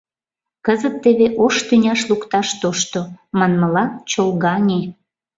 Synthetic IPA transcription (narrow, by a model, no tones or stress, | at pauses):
kəzət̪ːeβeʔoʃt̪ynʲɑʃlukt̪ɑʃt̪oʃt̪omɑnməlɑt͡ɕolɣɑnʲe